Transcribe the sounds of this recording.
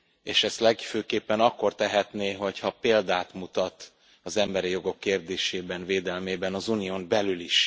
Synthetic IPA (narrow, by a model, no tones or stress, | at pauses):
eːʃɛst̪lɛɡføːkeːpːɛnɒkːo̞rt̪ɛɦɛt̪neːɦo̞chɒpeːld̪aːt̪mut̪ɒt̪ | ɒzɛmbɛɾijo̞ɡo̞kːeːrd̪eːʃeːbɛnveːd̪ɛlmeːbɛnɒzunijoːmbɛlyliʃ